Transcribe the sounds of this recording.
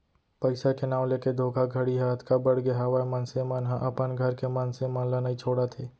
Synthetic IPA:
pəɪsakenaːwleːked̪ʱoːɡʱaɡʱəɽiɦaːlət̪ʰkabəɽɡeɦaʋamənsemənɦãʔɐpənɡʱɐɾkemənsemənlanaĩt͡ʃʰoːɽat̪ʰeː

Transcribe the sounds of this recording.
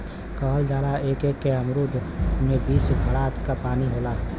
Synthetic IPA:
kəɦəld͡ʒaːlaeːkekːeəmɾud̪ʱmẽbiːsɡʰʱəɽaːt̪kapaːniɦoːlaː

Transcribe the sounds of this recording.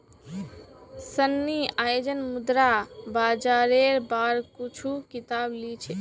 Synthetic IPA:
sənːiajod͡ʒənmud̪ɾabad͡ʒaɾeɾbaɾkut͡ʃʰukit̪ablit͡ʃʰɛ

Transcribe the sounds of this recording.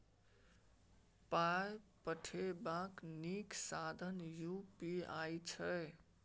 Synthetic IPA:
pajpəʈʰebakniksad̪ʱənjupiajt͡ʃʰəj

